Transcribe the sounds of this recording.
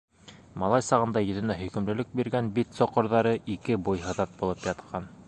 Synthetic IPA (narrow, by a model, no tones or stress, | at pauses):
mɑlˠɑjsɑʁɤ̆nd̪ɑjɵ̆ðɘ̆næɦɵ̆kɵ̆mlɘ̆lɘk̚biɾɡænbit̪sŏqŏɾðɑɾɤʔikɘbujɦɤ̆ðɑt̪̚bulˠɤpjɑt̪qʰɑn